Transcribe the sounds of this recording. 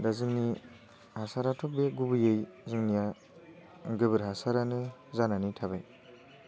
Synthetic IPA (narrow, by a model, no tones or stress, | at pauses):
dazɯŋni | hasaɾatʰɔk̚beɡubɯjejzɯŋnija | ɡɯbɯɾɦasaɾanɯzananitʰabaj